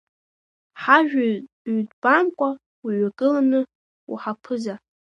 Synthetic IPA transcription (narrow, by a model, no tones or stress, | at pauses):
ħaʒᶣa | ɥdbamkʷʼa | iɥakʼɨlanɨ | ṵħapʰɨza